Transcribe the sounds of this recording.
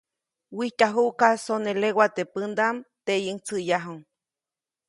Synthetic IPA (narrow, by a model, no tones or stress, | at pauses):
wiht̪aɦuʔkasonelewat̪epɨnd̪amt̪ejɨŋt͡sɨjaɦuŋ